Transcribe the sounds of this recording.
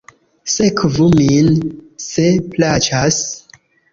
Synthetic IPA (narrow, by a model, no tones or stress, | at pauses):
sekvuminseplat͡ʃas